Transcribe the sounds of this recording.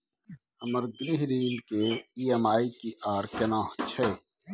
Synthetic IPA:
ɐməɾɡɾiɦɾiːnkeiːemaːikiʔaːɾkɐnãːht͡ʃʰeː

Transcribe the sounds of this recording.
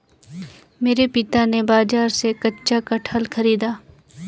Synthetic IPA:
meːɾepɪt̪anebaːd͡ʒaːɾsekɐtːʃakaʈʰəlkʰɐɾiːd̪aː

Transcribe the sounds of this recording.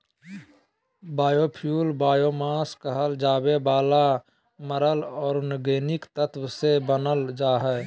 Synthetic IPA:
baːjoːpʰjuːlbaːjoːmaːskəɦəld͡ʒaːbebaːla | məɾəlɔːɾnɡeːnɪkt̪ət̪wsebənəld͡ʒaːɦɛː

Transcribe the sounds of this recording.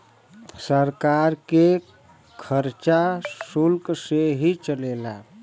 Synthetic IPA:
səɾkaɾke | kʰəɾt͡ʃasulkseɦit͡ʃəlela

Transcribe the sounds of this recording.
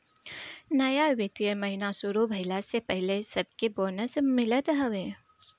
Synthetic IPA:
nɐjaʋɪt̪ijəmɐɦinasʊɾubʱɐɪlasepɛɦlesɐb̚keboːnəsmɪlət̪ɦɐʋeː

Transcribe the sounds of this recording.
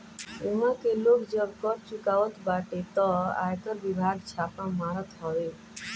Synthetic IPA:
emãkeloːkd͡ʒəb̚kɔʈt͡ʃukaʋət̪baʈet̪ɔa̰jkəɾʋibʱaɡt͡ʃʰaːpãmaɾət̪ɦɔʋe

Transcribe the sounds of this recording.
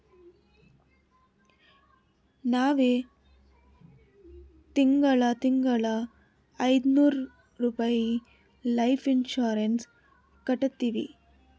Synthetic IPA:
naːʋeː | t̪ɪŋɡɐɭat̪ɪŋɡɐɭa | ɐɪd̪nuːɾ | ɾupɐji | lɐɪfɪnʃaːɾens | kɐʈːɐt̪ːiʋḭ

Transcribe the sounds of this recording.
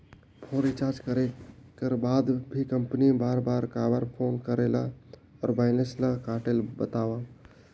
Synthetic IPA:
pʰoɾit͡ʃaɾd͡ʒkəɾekeɾbad̪bʱikəmpnibaɾbaɾkabəɾpʰonkəɾela̰ɔ̰ɾbaɪnesləkaʈelbət̪awa

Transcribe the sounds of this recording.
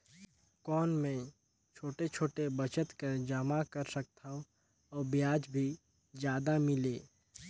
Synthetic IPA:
kɔːnmẽ | t͡ʃʰoːʈet͡ʃʰoːʈebət͡ʃət̪kəɾd͡ʒəmakəɾsək̚t̪ʰaːo | ɔːɾbɪjaːd͡ʒbʱi | d͡ʒjaːd̪amɪleː

